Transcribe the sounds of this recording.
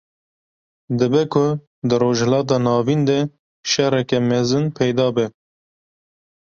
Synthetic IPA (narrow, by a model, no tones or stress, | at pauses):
d̪ɨbɛkʰʊ | d̪ɨɾoːʒhɛlɑːt̪̬ɑːnɑːvind̪ɛ | ʃɛɾɛkɛmɛzɨnpʰɛjd̪ɑːbɛ